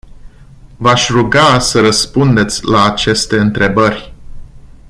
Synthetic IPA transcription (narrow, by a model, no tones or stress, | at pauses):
vaʃʲruɡasəɾəspund̪e̞t̪sʲlaːt͡ʃe̞st̪e̞ɨnt̪ɾe̞bərʲ